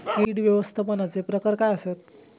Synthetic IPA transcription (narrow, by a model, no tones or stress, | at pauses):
kiɽʋjəʋəst̪ʰapənat͡sepɾəkəɾkaəset̪